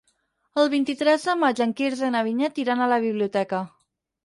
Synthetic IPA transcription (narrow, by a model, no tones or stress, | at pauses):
əlˠβint̪it̪ɾɛzðəmad͡ʒəŋkiɾzenaβ̞iɲat̪iɾanələβ̞iβliut̪ɛkə